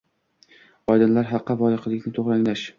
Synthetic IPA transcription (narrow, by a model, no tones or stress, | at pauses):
ɒjd̪ɪnlaɾɦɑqːɑvɒlˠɪqlɪkʲnɪt̪ʰoʁɾaŋlaʃ